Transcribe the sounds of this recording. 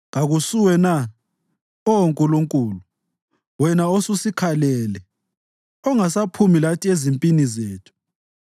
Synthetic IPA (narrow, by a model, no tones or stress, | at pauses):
ŋaɣusuwɛna | ɔoŋkʼuluŋkʼuːlu | wɛnaosusikʰalɛlɛ | ɔŋasapʰumilatʰiezimpʼinizeːtʰu̥